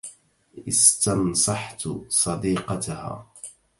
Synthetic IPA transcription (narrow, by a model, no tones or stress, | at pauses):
ʔɪst̪ɑnsˤɑħt̪sˤɑd̪iːqɑt̪ha̰ː